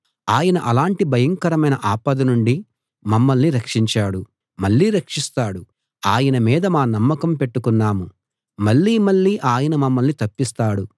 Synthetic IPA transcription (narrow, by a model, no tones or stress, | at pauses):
aːjɐnɐʔɐlaːɳʈibʱɐjɐŋkɐɾɐmɐjnɐʔaːpɐd̪ɐnuɳɖi | mɐmːɐlniɾɐkʂiɲt͡ʃaːɽu | mɐɭːiːɾɐkʂist̪aːɽu | aːjɐnɐmiːd̪ɐmaːnɐmːɐkɐmpe̞ʈːukunːaːmu | mɐɭːiːmɐɭːiːʔaːjɐnɐmɐmːɐlnit̪ɐpːist̪aːɽu